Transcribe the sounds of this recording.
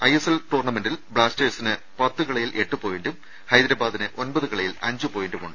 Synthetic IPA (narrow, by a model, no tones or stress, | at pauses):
ɐjeselʈuːrnɐme̞nɖilbɭaːsteːsinɨ | pɐt̪ːɨkɐɭɐjilʔe̞ʈːupo̞ːjenɖum | hɐjd̪ɾaːbaːd̪inɨʔonbɐðɨkɐɭɐjilɐ̰ɲd͡ʑupoːjenɖumuɳɖɨ